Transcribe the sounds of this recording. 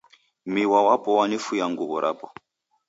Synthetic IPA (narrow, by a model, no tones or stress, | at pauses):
miwawapɔwanifujaŋɡuβɔɾʔa̰pɔ̥